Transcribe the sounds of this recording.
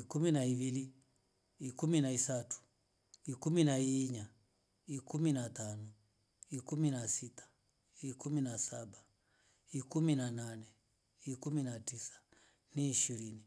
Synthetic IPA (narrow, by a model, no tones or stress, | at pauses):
ikuminaiβiliː | kuminaisatu̥ | ikuminaiɲa | ikuminatanɔ | ikuminasitḁ | ikuminasaɓa | ikuminananɛ | ikuminatisḁ | niːʃiɾini